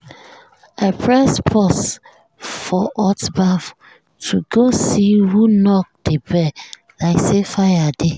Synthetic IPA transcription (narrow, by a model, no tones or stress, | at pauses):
apʰɹɛspʰɔs | fɔʔɔtbaf | tʰuɡosihunɔk̚d̥ebɛ | laɪksefajade